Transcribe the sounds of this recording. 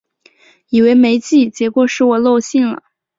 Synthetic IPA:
i˨˩we˧˥ɪme˧˥ɪt͡ɕi˥˩t͡ɕjɛ˧˥kwɔ˨˩ʂɻ̩˥˩wɔ˨˩lo˥˧ʊɕi˥˩nlə̰˩

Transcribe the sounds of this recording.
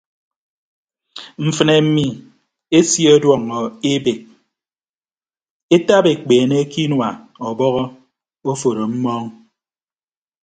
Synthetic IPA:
m̩˨fɨ˨ne˨m̩˦mi˦ | e˦sje˦ɔ˦dwɔ˨ŋɔ˨e˦be˨k̚ | e˦ta˦be˨k͡peː˨ne˦ki˦nwa˨ | ɔ˨bɔ˦ɣɔ˦ | o˦fo˨ɾo˨m̩˦mɔ˦ŋ

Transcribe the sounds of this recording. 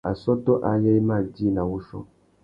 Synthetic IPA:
a̰˨sɔ˦tɔ˦ʔa˨jɛ˦mã˦˨d͡ʒi˦nã˨wo˦sɔ̰˦

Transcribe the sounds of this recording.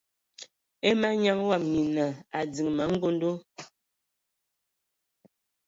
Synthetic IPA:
e˦ma˦ɲa˦ŋwa˦˨m̚ɲi˨na˨a˨d͡zi˨ŋma˨˦ŋ̩˦ɡo˦n˦do˦

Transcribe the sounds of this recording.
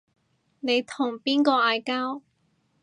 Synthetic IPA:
ne˨˧jt̪ʰʊ˨˩ŋpiː˥nkɔː˧aː˧jkaː˥w

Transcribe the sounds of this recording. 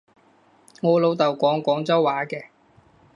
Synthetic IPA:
ŋɔː˨˧lo˨˧wt̪ɐ˨wkʷɔː˨˥ŋkʷɔː˨˥ŋt͡sɐ˥wːaː˨˥kɛː˧

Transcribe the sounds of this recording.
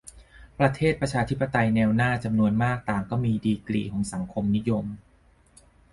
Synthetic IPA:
pɾa˧t̪ʰeː˥˩t̪̚pɾa˧t͡ɕʰaː˧t̪ʰi˦˥pːa˧t̪a˧jnɛː˧wnaː˥˩t͡ɕa˧mnu˧ənmaː˥˩k̚t̪aː˨˩ŋkɔː˥˩miː˧diː˧klḭː˨˩kʰɔː˩˦ŋsa˩˦ŋkʰo˧mni˦˥jo˧m

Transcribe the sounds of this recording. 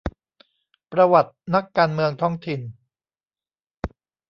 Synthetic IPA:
pɾa˧wa˨˩t̪̚na˦˥kːaː˧nmɯ˧əŋt̪ʰɔ˦˥ŋt̪ʰi˨n

